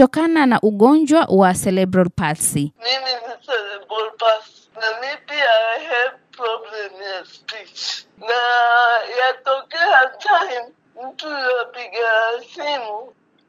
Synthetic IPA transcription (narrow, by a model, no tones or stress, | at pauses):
ɔkananaʔuɠɔɲd͡ʒwawasɛlɛbɾalpasimiminisɛlɛbɹalpas | namipiahɛvpɹɔblɛmjaspit͡ʃnajatɔkɛatʰajm | m̩tujɔpiɡasimu